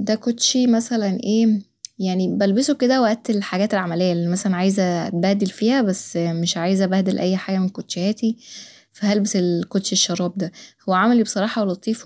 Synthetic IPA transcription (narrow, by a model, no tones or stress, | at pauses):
d̪ækot̪ʃimæsælænʔeː | jaʕnibælbesoked̪æwæʔæt̪elħaɡæːt̪elʕamælejːælimæsælænʕaːjezæbæːd̪elfiːhæbæsːmeʃʕaːjezææbæhd̪elʔæjːħaːɡæmenkot̪ʃehæːt̪i | fæhælbeselkot̪ʃiʃːɑɾˤɑːb̚d̪æhowːæʕamælibesˤɑɾˤɑːħɑwælːɑt̪ˤːiːf